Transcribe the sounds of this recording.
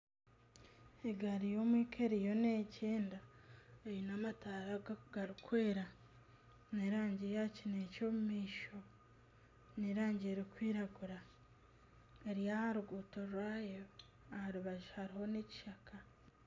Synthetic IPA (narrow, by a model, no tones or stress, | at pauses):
eɡaɾijoːmwiːkʰeɾijo̞neceːndaejinamataːɾaɡ̥aɾikwe̞ːɾa | neɾaːɲɟejacinecoːmumiːʃo̞ | neɾaːɲɟeɾikwiːɾaɡuɾa | eɾjahaɾuɡuːtoɾwaːjo | ahaɾuβaʒihaɾiho̞neci̥ʃakʰa